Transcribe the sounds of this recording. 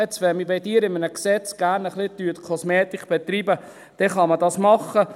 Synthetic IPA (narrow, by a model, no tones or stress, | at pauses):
ɛt͡sʋɛmibiɪdiːɾɪmənəksɛt͡sɡ̥æːɾnəχlɪt̪yət̪kʰɔsmeːt̪ɪkb̥ɛt̪riːbə | d̪̥ɛχɑmədɑsmɑχə